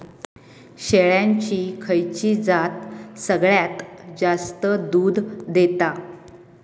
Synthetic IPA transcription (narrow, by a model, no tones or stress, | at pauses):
ɕeɭjãɲt͡ɕiːkʰəjt͡ɕiːd͡zat̪səɡɭjat̪d͡zast̪əd̪uːd̪d̪et̪a